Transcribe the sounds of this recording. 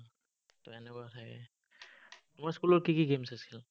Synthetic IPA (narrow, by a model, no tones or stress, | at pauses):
tɔɛnɛkɔatʰakɛ̰ | tʊmaskulɔɹkikiɡemsasil